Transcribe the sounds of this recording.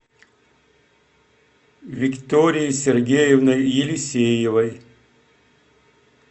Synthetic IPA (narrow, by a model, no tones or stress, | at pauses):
ʋʲɪkt̪ɔːɾʲɪjɛɪsʲɛɾʲɡʲejɛʋnɐɪiːlʲisʲeːjɪʋɐɪ